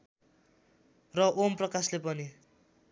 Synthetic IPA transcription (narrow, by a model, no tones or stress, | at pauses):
rʌʔomprʌkaslepʌni